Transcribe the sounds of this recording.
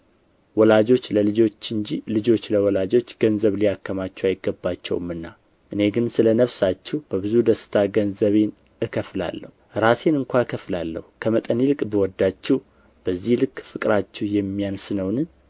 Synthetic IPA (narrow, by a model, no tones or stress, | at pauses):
wɔlad͡ʒo̞t͡ʃːləlɨd͡ʒo̞t͡ʃːɨnd͡ʒilɨd͡ʒo̞t͡ʃːləwɔlad͡ʒo̞t͡ʃːɡ̥ənzəβlijakʰːəmat͡ʃːɛajɪɡːəbːat͡ʃːɛ̰wmɨnːa | ʔɨne̞ɡɨnsɨlənəβsat͡ʃːɛhb̥əβɨzud̪əsɨ̥t̪ʰaɡənzəβe̞n | ɨkʰəfla̰lːə̰huɾase̞nɨŋkʷʰakʰəflalːə̰hukʰəmət̪ʼənilɨkʼbəwɔd̪ːat͡ʃːɛ | b̥əzːihlɨkʼːfɨkʼɾat͡ʃːɛhjɛmːijansɨnəwnɨ